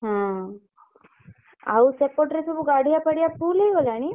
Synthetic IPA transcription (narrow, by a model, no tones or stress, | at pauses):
ɦã | ausepoʈɾesubuɡaɽʱijapəɽijafuːleɡolañi